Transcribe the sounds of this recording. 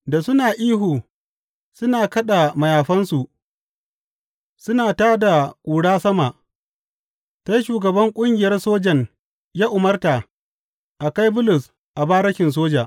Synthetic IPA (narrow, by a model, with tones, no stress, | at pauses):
da˨sʊ˦naː˨ʔiː˦ɦuː˨ | sʊ˦naː˨kɐ˦ɗa˨mɐ˨jaː˨ɸɐ˦nsu˨ʔ | sʊ˦naː˨taː˦da˨kʷʼuː˨ɽaː˦sɐ˦ma˨ʔ | ta˦jʃuː˨ɡɐ˨bɐ˦ŋkʷʼʊ˦ŋɡʲɪ˨jɐ˦rsoː˦d͡ʒɐ˨ɲ | jaː˦ʔʊ˨mɐ˦rta˨ | ʔa˨ka˦jbʊ˦lʊ˨s | ʔa˨baː˦ɾɐ˦ʃʲɪ˨ns̬oː˦d͡ʒaː˨ʔ